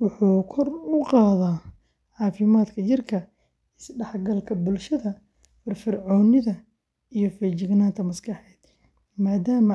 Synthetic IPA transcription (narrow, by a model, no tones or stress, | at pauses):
wʊħuːkʰɔrʊqɑːðaː | ʕɑːfɪmaːd̪kʰɐt͡ʃɪrkʰɐ | ɪsɖɑħɡɐlkʰɐbʊlʃɐðɐ | fɐrfɪrʕɔːnɪðɐ | ijɞfɛt͡ʃɪɡnaːnt̪ʰɐmɐskɑħɛːd̪̥ | maːd̪aːmɐ